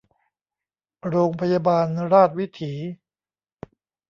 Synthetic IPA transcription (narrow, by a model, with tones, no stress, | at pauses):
ɾoː˧ŋpʰa˧jaː˧baː˧nɾaː˥˩t̪̚wi˦˥t̪ʰiː˩˦